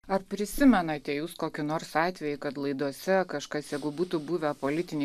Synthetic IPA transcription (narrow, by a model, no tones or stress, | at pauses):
ɐrpʲɾʲɪsʲɪmʲɛnɐt̪ʲɛjuːskoːkʲɪnoːɾsɑːt̪ʲʋʲɛjɪkɐt̪lˠɐɪd̪uɔsʲɛkɐʃkɐsjɛɪɡʊbuːt̪uːbuːʋʲɛpolʲɪt̪ʲɪnʲɛ